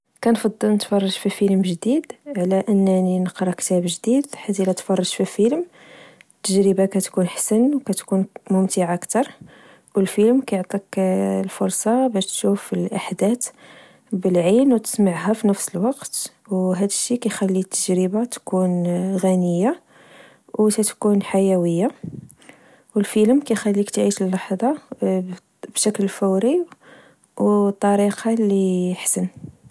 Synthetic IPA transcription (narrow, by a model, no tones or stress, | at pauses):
kænfɑd̪ˤːəlnət̪fɑrˤːɑʒfifələmʒd̪id̪ʕlæʔənːæninəqɾˤɑkt̪æbʒd̪id̪ħad̪ilæt̪fɑrˤːɑʒfifəlm | t̪ːəʒɾəbakæt̪kunħḁsənwkæt̪kunmʊmt̪iʕakt̪ɑɾˤ | wəlfələmkæjoʕt̪ˤiklfʊɾˤsˤɑbæʃt̪ʃufəlʔaħd̪æt̪ | bəlʕinwt̪ə̥smaʕɦæfinəfsəlwɑqt̪ | wɦæd̪əʃːikæjxælːit̪ʰːəʒɾəbat̪kunɣænəjːa | wt̪æt̪kunħajæwəjːa | wəlfələmkæjxælːikt̪ʕiʃəlːɑħd̪ˤɑ | bʃæklfəwɾi | wt̪ˤːɑɾiqɑlːiħsən